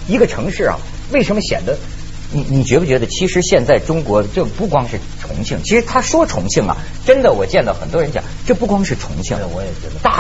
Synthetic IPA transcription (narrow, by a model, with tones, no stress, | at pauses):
i˧˥ɡə˧ʈ͡ʂʰɤ˧˥ŋʂɻ̩˥˩ɐ̰˩ | we˥˩ɪʂə˧˥nmə˧ɕjɛ̰˨˩nd̪ə˦ | ni˧˩ni˨˩t͡ɕɥɛ˧˥u˥˩t͡ɕɥɛ˧˥d̪ə˧t͡ɕʰi˧˥ʂɻ̩˧˥ɕjɛ˥˧nt͡sa˥˩ɪʈ͡ʂʊ˥ŋkwɔ˧˥ʈ͡ʂɤ˥˩pu˥˩kwɑ˥ŋʂɻ̩˥˩ʈ͡ʂʰʊ̰˧˥ŋt͡ɕʰi˥˩ŋt͡ɕʰi˧˥ʂɻ̩˧˥t̪ʰa˥ʂwɔ˥ʈ͡ʂʰʊ̰˧˥ŋt͡ɕʰi˥˩ŋɐ̰˩ | ʈ͡ʂə˥nd̪ə˨wɔ˨˩t͡ɕjɛ˥˧nt̪ɑ˥˩ʊxə˨˩nt̪wɔ˥ɻə˧˥nt͡ɕjɑ̰˨˩˦ʈ͡ʂɤ˥˧pu˥˩kwɑ˥ŋʂɻ̩˥˩ʈ͡ʂʰʊ̰˧˥ŋt͡ɕʰi˥˩˨wɔ˧˦jɛ˨˩t͡ɕɛ˧˥˧t̪a˥˧˩